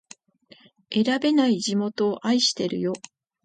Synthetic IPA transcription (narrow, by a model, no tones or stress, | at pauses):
e̞ɾabe̞naiʑimo̞t̪o̞ːʔaiɕi̥t̪e̞ɾɯ̟̰jo̞